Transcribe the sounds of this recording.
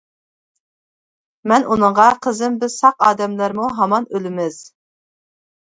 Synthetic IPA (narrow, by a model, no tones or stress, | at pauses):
mɛnʔunɨɴʁɑqʰəzɪmbɪz̥sɑqɑːd̪ɛmlɾmuɦɑmɑnølɪmɪz̥